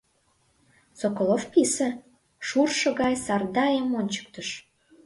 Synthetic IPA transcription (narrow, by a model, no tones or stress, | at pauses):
sokolˠofpʲise | ʃurʃə̆ɣɑjsɑrd̪ɑjəmonʲt͡ɕə̥k̚t̪əʃ